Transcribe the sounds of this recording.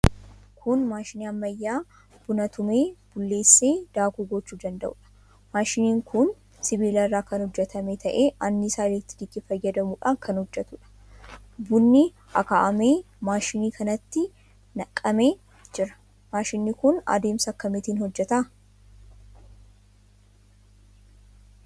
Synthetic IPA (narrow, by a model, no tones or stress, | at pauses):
kʰʊnmaːʃɪniːɐmːɐjːaː | b̥ʊnɐt̪ʊme̞ːb̥ʊlːe̞ːsːe̞ːd̪̥aːkuːɡɔt͡ʃːuːd̪ɐnd̪ɐ̰ʔʊ̰ːᶑɐ̥ | maːʃɪniːŋkʊn | sɪbiːlɐrːaːkɐnhɔd͡ʒːɛt̪ɐmet̪ʰɐʔeːʔɐnːɪsaːlɪt̪ːɪd̪ɪkːɪfɐjːɐd̪ɐmuːᶑa̰ːŋkʰɐnhɔd͡ʒːɛt̪ʊᶑɐ̥ | bʊnːɪ | ɐkaːʔɐmeː | maːʃɪniːkʰɐnɐt̪ːɪ | nɐkʼːɐme̞ː | d͡ʒɪɾɐ̥ | maːʃɪnːɪkʊnɐ̰d̪e̞ːmsɐɐkːɐmɪt̪iːnhɔd͡ʒːɛt̪a